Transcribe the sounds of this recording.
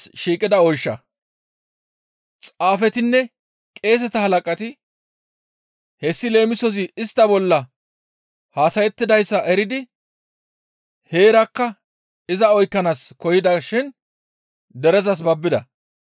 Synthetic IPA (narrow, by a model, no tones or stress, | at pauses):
ʃiːkʼɪd̪ɐɔjʃːɐ̰ | t͡sʼaːfɛt̪ɪnːɛ | kʼe̞ːs̬ɛt̪ɐhɐlɐkʼɐt̪ɪ | hɛsːɪle̞ːmɪsɔs̬ɪɪst̪ːɐbɔlːɐ | haːsɐjɛt̪ːɪd̪ɐjsːɐʔɛɾɪd̪ɪ | he̞ːɾɐkːɐ | ɪzɐɔjkːɐnaːskɔjɪd̪ɐʃɪn | d̪ɛɾɛzɐs̬bɐbːɪd̪ɐ